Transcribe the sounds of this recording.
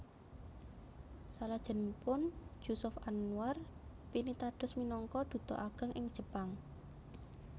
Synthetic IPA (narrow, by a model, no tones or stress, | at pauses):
salad̥ʒ̥ə̤npʊn̥ʒ̥usʊfanuarpinit̪aɖ̥ʊ̤sminɔŋkɔd̪̥ṳt̪ɔ̰ʔaɡ̥ə̤ŋʔɪŋd̥ʒ̥ə̤paŋ